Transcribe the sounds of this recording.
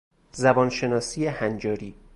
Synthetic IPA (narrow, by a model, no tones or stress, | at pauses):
zæbɒːnʃe̞nɒːsiːjehænd͡ʒɒːɾiː